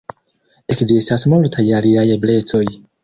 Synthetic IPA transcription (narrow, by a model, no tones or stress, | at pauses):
ekzistasmultʰajaliajeblet͡soj